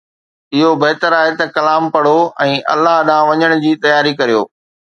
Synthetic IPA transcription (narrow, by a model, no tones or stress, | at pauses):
ɪɦobɐɦt̪əɾaːɦet̪ɐkɐlaːmpɐɽ̤oɛ̃ːʔɐ̰lːaɦɗãːʋɐɲəɽ̃ʊd͡ʑiːt̪ɐjaːɾikɐɾijo̰ː